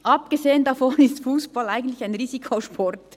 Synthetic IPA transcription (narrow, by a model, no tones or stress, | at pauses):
ʔɑpɡ̥ezeːəndɑfɔnɪstfuːsb̥ɑlaɪɡən̩t̪lɪçaɪnʁiːzikʰoʃpʰɔɾt